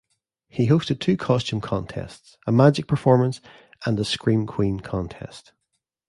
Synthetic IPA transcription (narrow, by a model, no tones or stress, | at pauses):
hiɦostɪd̚tʰʉːkʰɔst͡ʃʉ̃mkʰɔ̃ntʰɛ̰stsəmad͡ʒɪk̚pʰə˞fɔɹmə̃ns | ʔə̃nəskɹĩnkʰw̥ĩnkʰɔ̃ntʰɛ̰st